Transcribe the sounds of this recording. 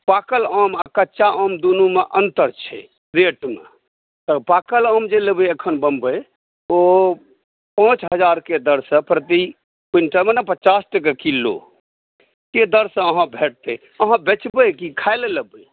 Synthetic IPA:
pakələmakətːt͡ʃaʔəmd̪unumeʔənt̪əɾt͡ʃʰɛ̰ | ɾeʈmḛ | t̪əpakələmd͡ʒeləbeəkʰənbəmbəj | o | pãt͡ʃɦəd͡ʒaɾked̪əɾsə̃pɾət̪i | kinʈəmenapət͡ʃasʈəkekilo̰ | ked̪əɾsə̃əɦãbʱeʈ̚t̪e | əɦãbet͡ʃbəkikʰaɪleləbə

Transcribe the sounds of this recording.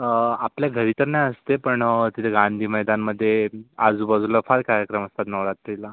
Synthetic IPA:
apljaɡʱəɾiːt̪əɾnajəst̪epəɳt̪it̪ʰeɡãnd̪ʱiːməjd̪anməd̪ʱːjead͡zuːbəd͡zʱuləfaɾkaɾjəkɾəməst̪at̪nəʋɾat̪ɾila

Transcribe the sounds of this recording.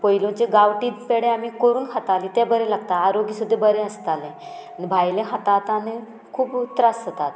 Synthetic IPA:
pəjlõt͡ɕeɡawʈiːpeɽẽamiːkoɾuːnhət̪alit̪ɛ̃bəɾɛlaɡt̪aaɾoɡisud̪ʱːɛbəɾẽəst̪alẽ | nibʱajlẽɦat̪at̪ane | kʰuːput̪ɾasət̪at̪

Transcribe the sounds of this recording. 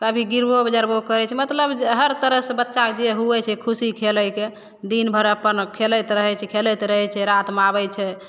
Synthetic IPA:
kabʱiɡiɾbobəd͡ʒaɾbokəɾɛt͡ʃʰɛmət̪ləbɦəɾt̪əɾəɦsebətːʃakd͡ʒeɦuɛt͡ʃʰɛkʰusikʰeləjke | d̪inbʱəɾəpənkʰelɛt̪ɾəɦɛt͡ʃʰɛkʰelɛt̪ɾəɦɛt͡ʃʰɛɾat̪maβɛt͡ʃʰɛ

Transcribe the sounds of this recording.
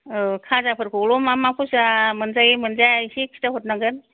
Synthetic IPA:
ɯkʰazapʰɯɾkʰolɔmamapʰusamɯnzajimɯnzasik̚sʰi̥taɦot̚naŋɡɯn

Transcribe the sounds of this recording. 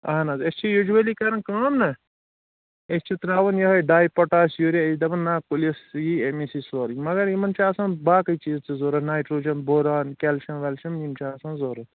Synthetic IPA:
ɐ̰ɦnazest͡ʃʰijod͡ʒuelikɐɾɐnkaːmnɐ | est͡ʃʰit̪ɾaːʋɐnjɐɦɐjɖaːjpɐʈaːsjoɾʲaed̪ɐbɐnːaːkulɐsjiemisisoːɾimɐɡɐɾimɐnt͡ʃʰaːsãːnbaːkɐit͡ʃiːzt͡sizoːɾɐnaːjʈɾoːd͡ʒɐnboːɾaːnkʲɛlʃɐnʋɐlʃɐmimt͡ʃʰasãnzoːɾɐt

